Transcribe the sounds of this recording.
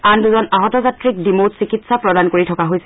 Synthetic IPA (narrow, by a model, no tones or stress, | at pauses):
anduzɔnaɦɔtɔzatɹik̚dimotsikitsapɹɔdankoɹitʰɔkaɦojsɛ